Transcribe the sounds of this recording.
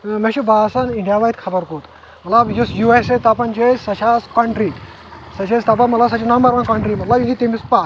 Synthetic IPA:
meʃubaːsaniɳɖijaʋajt̪kʰɐbɐɾkot̪ | mɐt̪lɐbjusjueset̪apɐnt͡ʃesɐʃaskɐɳʈɾi | sɐt͡ʃest̪ap̬ɐmɐt̪lɐsɐt͡ʃʰinambɐɾʋankɐɳʈɾiːmɐt̪lɐbjĩŋkʲit̪emispa

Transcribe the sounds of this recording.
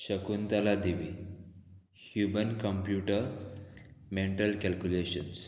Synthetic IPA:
ɕəkuːnt̪alad̪iʋi | hjumənkəmpjuʈəɾ | meɳʈəlkælkuleɕəns

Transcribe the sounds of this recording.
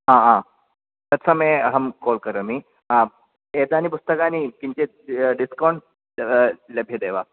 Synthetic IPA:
ɦãɦã | t̪ət̪sʰəmeɦəmkolkəɾəmi | ã | ed̪anip̬ust̪əkanikiɲt͡ɕe | ɖiskawɳʈ | ləbʱjed̪eʋa

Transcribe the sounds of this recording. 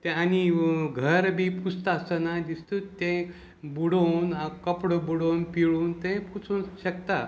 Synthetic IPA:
t̪ẽaniɡʱəɾbʱiːpust̪əsənad̪ist̪ut̪ːẽ | buɽonakəpɽəbuɽownpiɭuːnt̪ẽput͡sunɕəkt̪a

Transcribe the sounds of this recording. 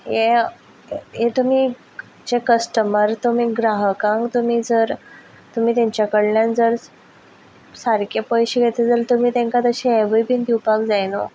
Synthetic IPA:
je | ɦet̪um̤i | d͡ʑekəsʈəməɾt̪um̤iːɡɾaɦəkãŋkt̪um̤iːd͡zəɾ | t̪um̤iːt̪aɲt͡ɕjakəɽljãnd͡zəɾ | saɾkepəjɕeɡʱet̪ʰed͡zəlt̪um̤iːt̪ẽŋkat̪əɕieʋəjpind̪iupakd͡zajno̰

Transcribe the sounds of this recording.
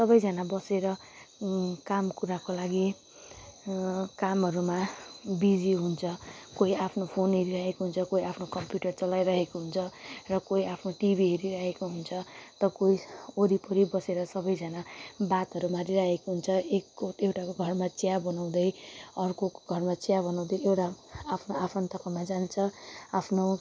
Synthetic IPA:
sʌbʌjd͡zʱʌnabʌseɾʌ | kamkuɾakolaɡi | kamɦʌɾumabid͡ziɦunt͡sʰʌkoiapʰnopʰoniɾiɾaɦekoɦunt͡sʰʌkoiapʰnokʌmpjuʈʌrt͡sʌlajɾʌɦekoɦunt͡sʰʌrʌkoiapʰnoʈibʱiɦʌɾiɾaɦekoɦunt͡sʰʌt̪ʌkoioɾipʌɾibʌseɾʌsʌbʌjd͡zʌnabat̪ʌɾumaɾiɾaɦekoɦunt͡sʰʌekːoewʈakoɡʱʌrmat͡sjabʌnaw̃d̪ʌjʌrkoɡʱʌrmat͡sjabʌnaw̃d̪ʌjewʈaːpʰnoapʰʌnt̪ʌpamad͡zant͡sʰʌapʰno

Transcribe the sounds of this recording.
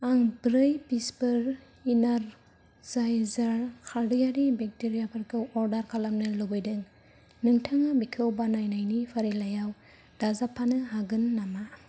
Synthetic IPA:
aŋbɾɯjbispɯɾ | inaɾ | zajzaɾkʰaɾdijaɾibek̚teɾijapʰaɾkʰɯwɔɾdaɾkʰalamnɯlɯbɯjdɯŋ | nɯŋtʰaŋabikʰɯwbanajnajnipʰaɾilajaw | d̥azapʰanɯɦaɡɯnːama

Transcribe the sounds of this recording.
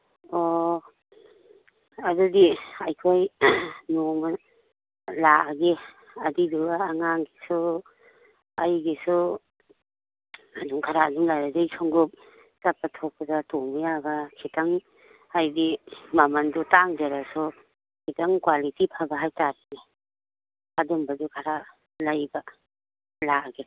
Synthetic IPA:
ɔ | adudiajkʰojnoma | laɡe | adiduːŋaŋɡisu | ajɡisu | aduŋkʰaɾaɡiŋlajɾadajsʰɔŋɡup̚ | tapatʰɔk̚padatoŋmɔjabakʰitaŋ | ajdimamandutaŋd͡ʒaɾasɔ | kʰitaŋkwalitipʰabaɦajtaɾini | adumbadukʰaɾa | lajba | laaɡe

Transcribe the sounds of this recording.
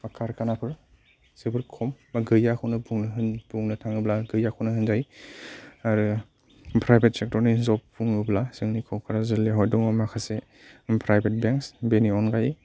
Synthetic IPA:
pakʰaɾkanapʰɯɾ | sebɯɾkʰɔmːaɡɯjakʰɯwnɯbuŋnɦɯnbuŋnɯtʰaŋɯblaɡɯjakʰɯwnɯɦɯnzaj | aɾɯ | pʰɾajbʰʱet̚sek̚tɔɾnizɔpːuŋɯblasɯŋnikʰɔwkʰɯɾazɯlːeɦɔjdɔŋamakʰase | pʰɾajbet̚beŋksbeniɔnɡaji

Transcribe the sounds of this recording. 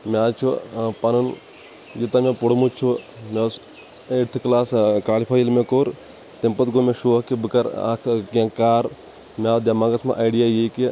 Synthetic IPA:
mʲaːt͡ʃʰupɐnun | d͡ʒit̪amẽpoɽmut͡ʃʰumes | eʈt̪ʰɨklaːskaːlipʰajilmẽkoːɾ | t̪empɐt̪ɡomẽʃoːkibɨkɐɾa̰kʰkãkaːɾ | mʲaːd̪ʲamãːɡɐsmã̰ʔajɖijaːjeki

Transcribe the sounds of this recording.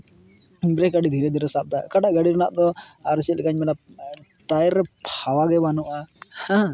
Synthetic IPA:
bɾɛkaɖid̪ʱiɾɛd̪ʱiɾɛsap̚d̪akaɖaʔɡaɽiɾanaʔd̪ɔaɾsɛt̪lkaɲmɛla | ʈajɾːɛpʰawaɡɛbanuʔahã

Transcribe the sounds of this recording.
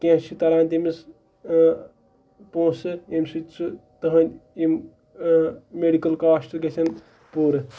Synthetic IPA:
kʲẽːt͡ʃʰit̪ɐɾãːnt̪imis | põːsɨimsit͡sɨt̪ɐɦɐnʲim | meɖikɐlkaːsʈɐlkʲesʰʲɐn | puːɾɨ

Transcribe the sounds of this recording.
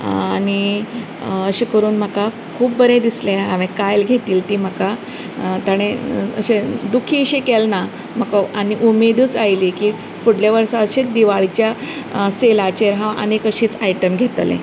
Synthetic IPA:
añi | əɕikəɾuːnm̤əka | kʰuːb̚bəɾẽd̪isleɦaʋẽkajlɡʱet̪iːlt̪iːm̤əka | t̪aɽ̃eə̰ɕed̪ukʰiɕekɛlna | m̤akaaniʔumed̪əːt͡sajlikiː | fuɽlaʋəɾsaəɕed̪iʋaɭt͡ɕja | selat͡ɕeɾɦãʔə̰nekəɕiːt͡sajʈəmɡʱet̪lḛ̃

